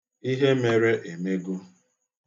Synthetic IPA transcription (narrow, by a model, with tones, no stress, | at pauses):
i˦ɦe˦me˨ɾe˦ʔe˨me˦ɡu˦